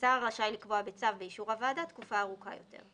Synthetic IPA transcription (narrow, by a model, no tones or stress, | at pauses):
t͡saʁlaʃajlikvoabet͡savbeiʃuʁavadat̪kufaːʁuka̰jo̞tʰe̞̰ʁ